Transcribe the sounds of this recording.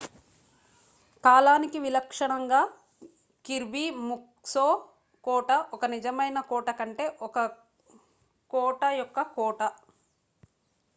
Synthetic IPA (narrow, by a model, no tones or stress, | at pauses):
kaːlaːnikiʋilɐkʂɐɳɐŋɡaː | kiɾbiːmuk | soː | kɔːʈɐʔɔkɐnid͡ʒɐmɐjnɐkɔːʈɐkɐɳʈe̞ːʔɔkɐ | kɔːʈɐjɔkːɐkɔːʈɐ